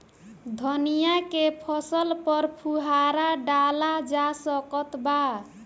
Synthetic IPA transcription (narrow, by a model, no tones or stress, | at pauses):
d̪ʱənijakepʰʌsəlpəɾpʰuɦaɾaɖalad͡ʒasəkət̪ba